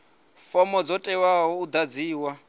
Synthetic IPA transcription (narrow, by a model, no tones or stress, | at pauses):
fɔmɔd͡zɔtʼɛwaɦɔud̪ad͡ziːwa